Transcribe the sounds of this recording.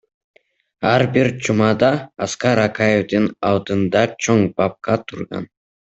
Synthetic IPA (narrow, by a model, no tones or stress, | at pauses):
ɑɾbiɾt͡ʃʰumɑd̪ɑːskɑɾɑkajevd̪ɯnɑlˠd̪ɯnd̪ɑt͡ʃʰoŋbɑp̚qɑt̪ʰuɾʁɑ̰n